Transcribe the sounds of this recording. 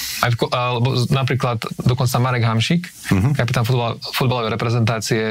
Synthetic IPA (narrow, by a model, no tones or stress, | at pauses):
afkɔlɛbɔnap̬ɾiːklat̪d̪ɔkɔnt͡samaɾɛɡɦamʃik | kapit̪anfufud̪̚balɔʋɛjɾɛpɾɛzɛnt̪aːt͡siɛ